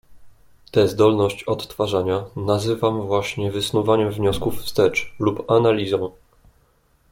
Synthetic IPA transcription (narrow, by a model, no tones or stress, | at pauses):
t̪ɛzd̪ɔlnɔɕt͡ɕɔt̪ːfaʐaɲanazɘvamvwaɕɲɛvɘsnuvaɲɛmvɲɔskufst̪ɛt͡ʂlupanalʲizɔ̃w̃